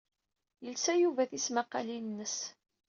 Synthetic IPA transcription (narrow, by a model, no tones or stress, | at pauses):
jəlsæjuvæθismaqɑlinːəs